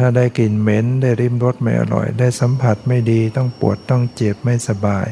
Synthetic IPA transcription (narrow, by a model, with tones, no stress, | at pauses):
aː˧˩daː˥˩jki˨˩nme˧˥nda˧˥˩jɾi˧˥˩mlo˧˥t̪̚ma˥˧˩jʔa̰˧˩lɔ̰˨˩jdaː˥˩jsa˧˦mpʰa˧˩t̪̚ma˥˩jdiː˧t̪ɔ˥˩˨ŋpṵ˨˩ət̪ːɔ˥˩˨ŋt͡ɕe˨˩p̚ma˥˩jsa˧baː˨j